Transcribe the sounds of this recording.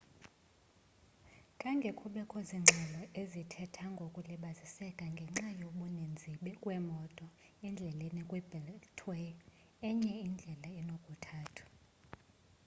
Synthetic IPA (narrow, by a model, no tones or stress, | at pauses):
kʼaŋɡʱɛkʰʼuɓɛkʰɔziŋ͡ǁʱɛlɔʔezitʰɛtʰaŋɡʱokʼuliɓazisɛkʼaŋɡʱɛŋ͡ǁajoɓunend͡zʱiɓɛkʼwɛmɔtʼɔ | ɛnd͡ɮʱɛlenikʼwɛbɛltʰwe | ɛɲɛind͡ɮʱɛlaɛnokʼutʰaːtʰu̥